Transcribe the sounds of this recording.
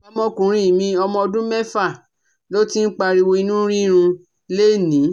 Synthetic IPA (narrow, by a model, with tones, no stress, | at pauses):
ɔ˧mɔ̃˧kũ˨ɾ̃ĩ˨˦i˨mĩ˧ɔ˧mɔ̃˧ɔ˧dũ˦mɛ˦fa˦˨ | lo˦ti˦n̩˦k͡pa˧ɾi˧wo˧i˧nũ˦ɾĩ˦ɾ̃ũ˧ | le˦˨nĩ˨˦